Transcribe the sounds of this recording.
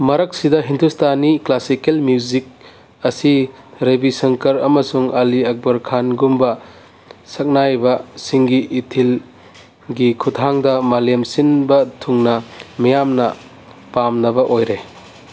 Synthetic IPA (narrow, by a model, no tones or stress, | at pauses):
mɐɾɐk̚sidɐɦindustʰaniklasikelmuuzik̚ | ɐsiɾebisɐŋkɐɾɐmɐsuŋaliɐk̚bɐɾkʰanɡumbɐ | sɐk̚najbɐsiŋɡiʔːtʰil | ɡikʰutʰaŋdɐmalemsinbɐtʰuŋnɐmijamnɐ | pamnɐbɐʔojɾe